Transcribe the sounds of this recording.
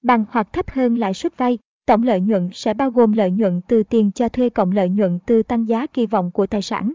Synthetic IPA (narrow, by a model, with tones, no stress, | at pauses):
ɓa˨˩ŋhwa˨˩k̚t̪ʰə˦˥p̚həː˧nla̰ː˧˨jswə˦˥t̚va˧j | t̪ə̰˧˨wŋ͡mlə̰ː˧˨jɲwə̰˧˨nsɛ̰˧˥ɓaː˧wɣo˨˩mlə̰ː˧˨jɲwə̰˧˨nt̪ɨ˨˩t̪i˨˩ənt͡ɕɔ˧t̪ʰwe˧kə̰˧˨wŋ͡mlə̰ː˧˨jɲwə̰˧˨nt̪ɨ˨˩t̪a˧ŋzaː˨˦ki˧vɔ̰˧˨wŋ͡mku˧˩ət̪aː˨˩jsa̰ː˧˩n